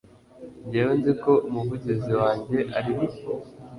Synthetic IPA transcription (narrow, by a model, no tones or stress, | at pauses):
ɲɟeːwonziko̞ʔumuvuɟeziwaːɲɟe̞ʔaɾiβio